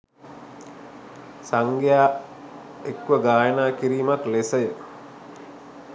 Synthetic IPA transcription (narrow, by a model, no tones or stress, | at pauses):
saŋɡjaː | ekʋəɡaːjənaːkiɾiːmaklesɐjə